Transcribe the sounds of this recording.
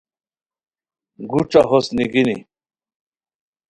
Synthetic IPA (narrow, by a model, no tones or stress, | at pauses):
ɡuʈ͡ʂaɦosniɡinḭ